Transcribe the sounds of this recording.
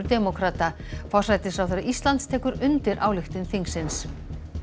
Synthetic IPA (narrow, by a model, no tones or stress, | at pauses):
ɾd̪ɛmɔkʰɾaːt̪a | fɔsajt̪ɪsfɾawθɛɾaist̪lant̪st̪ʰɛːkʏɾʏnt̪ɪɾʔawlɪxt̪ɪnθiŋksɪns